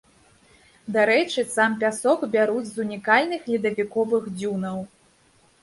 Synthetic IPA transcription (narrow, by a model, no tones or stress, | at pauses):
d̪aɾɛt͡ʂɨsamp̬ʲasɔkbʲaɾud͡zʲzunʲikalʲnɨxlʲid̪ɐvʲikɔvɨxd͡zʲunɐw